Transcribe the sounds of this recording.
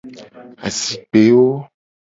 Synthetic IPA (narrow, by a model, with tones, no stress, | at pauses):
a̰˨si˨k͡pe˨˦wo˦